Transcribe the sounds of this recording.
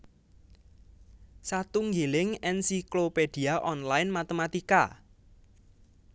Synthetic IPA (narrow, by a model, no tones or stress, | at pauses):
sat̪uŋɡelɪŋɛnsikloped̪̥i̤aʔɔnlajnmat̪emat̪ika̰